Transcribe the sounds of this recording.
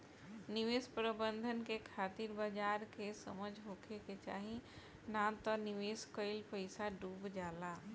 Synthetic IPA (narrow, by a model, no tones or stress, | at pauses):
nɪʋeːspɾəbə̃nd̪ʱənkekʰaːt̪iɾbəd͡ʒaːɾkesə̰məd͡ʒʱɦoːkʰeket͡ʃa̰ːɦĩ | naːt̪ɔnɪʋeːskəɪlpəɪsaɖuːbd͡ʒaːlaː